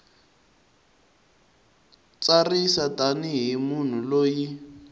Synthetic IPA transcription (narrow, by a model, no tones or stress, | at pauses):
t͡sarisataniɦimun̤uloːji